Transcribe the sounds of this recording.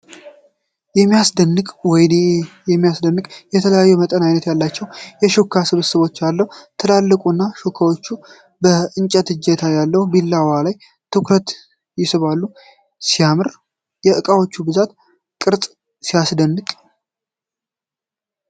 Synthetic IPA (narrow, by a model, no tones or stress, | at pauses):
jɛmːijasd̪ənːɨkʼwɔjnjɛmːijasd̪ənːɨkʼjɛt̪ʰələjajːɛmət̪ʼənajnət̪jalːat͡ʃːɛwjɛʃokʰːasɨβɨsɨβo̞t͡ʃːjalːəhut̪ʰəlalːəkʼunːaʃokʰːawo̞t͡ʃːu | bəɨnt͡ʃʼət̪ɨd͡ʒːɛt̪ʰajalːəhubilːawalaj | t̪ʰɨkɾət̪ | jɪsɨβalːu | sijamɨɾ | jɛʔɨkʼawo̞t͡ʃːubɨzat̪ | kʼɨɾt̪ʼ | sijasd̪ənːɨkʼ